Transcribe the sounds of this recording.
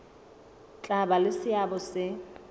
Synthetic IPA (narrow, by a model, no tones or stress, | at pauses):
t͡ɬʼabalɪsɪabɔsɪ